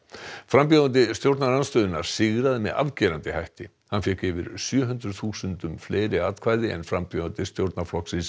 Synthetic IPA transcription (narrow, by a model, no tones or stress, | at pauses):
fɾampjɔðant̪̬ɪst̪jowɾt̪nalanst̪œːðɪnaɾ̥sɪɣɾaðɪmɛ̰ða̰vcɛːɾant̪ɪhajht̪ɪ | hanfjɛkɪvɪɾ̥sjœːɦʏnt̪ɾʏðθuːsʏnt̪ʏmfleːjɾɪaːt̪kʰvaːjðɪɛ̰nfɾampjɔðant̪ɪst̪jowɾt̪naflɔksɪs